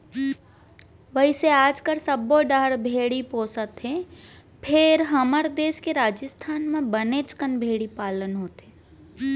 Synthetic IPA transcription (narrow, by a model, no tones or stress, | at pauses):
ʋəiseaːd͡ʒkəɾsɐboɖəɦɽbʱeːɽipoːsət̪ɦe | pʰɪɾɦəməɾd̪eːskeɾaːd͡ʒəst̪ʰaːnmẽbəneːt͡ʃkənbʱeːɽipaːlənɦoːt̪ɦeː